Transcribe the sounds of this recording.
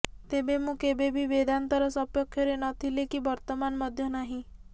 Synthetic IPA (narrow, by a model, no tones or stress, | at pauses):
t̪ebemũkebebʱibed̪ant̪ɔɾɔsɔpjɔkʰːjɔɾenɔt̪ʰilekibɔɾt̪ɔmanmɔd̪ʱjɔnaɦĩ